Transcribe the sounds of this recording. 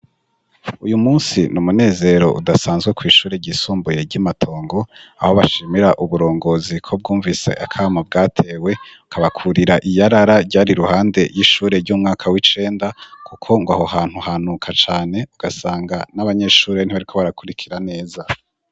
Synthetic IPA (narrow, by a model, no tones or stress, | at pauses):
ujumuːnsinumune̞ːze̞ɾo̞̰ʔṵdasaːnzɡwe̞kwiːʃuːɾeɟisuːmbuje̞ɾɟamatʰo̞ːŋɡo̞a̰ho̞βaʃiːmiɾaʔuβuɾo̞ːŋɡo̞zikʰo̞b̚ɡuːɱvise̞̰ʔa̰kʰaːmabɡaːtʰe̞ːwe̞ukʰaβakʰuɾiɾaʔijaɾaɾaɾɟaːɾiɾuhaːnde̞jiʃuːɾe̞ɾɟuːmŋaːkʰawit͡ʃe̞ːndakʰukʰo̞ŋɡwa̰hohaːn̥huhaːnukʰat͡ʃaːne̞uɡ̥asaːŋɡanaβaɲe̞ʃuːɾe̞n̥iwaɾikʰo̞βaɾakuɾikʰiɾane̞ːza